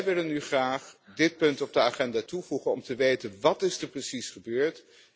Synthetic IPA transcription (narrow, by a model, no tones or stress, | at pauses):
jʋɪlənːyχraːχdɪt̚pɵntɔb̚dəaχɛndaːtuvuχənɔmtəʋejtənʋɑtɪsdəɹprəsisχəbøːɹt